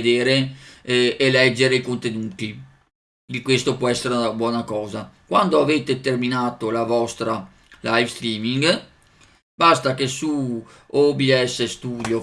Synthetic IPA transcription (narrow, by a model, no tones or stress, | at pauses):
d̪eːɾe | ʔːlɛd͡ʒːeɾeikont̪enuːt̪i | d̪ikwest̪opwɔɛsːeɾeunabwɔːnakɔːzakwand̪oaveːt̪et̪erminaːt̪olavɔst̪ɾa | lajfst̪ɾiːmiŋɡ | bast̪akesu | obiɛsːest̪uːd̪jo